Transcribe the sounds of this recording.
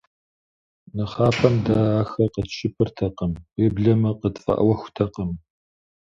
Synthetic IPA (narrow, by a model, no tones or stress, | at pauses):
nɨχaːpʰɐmdaːaːxɐqətʃɪpʰɨrtʰɐqəmweːbɮɐmɐqətfɐ̰ʔɐ̰wɐxʷtʰɐqəm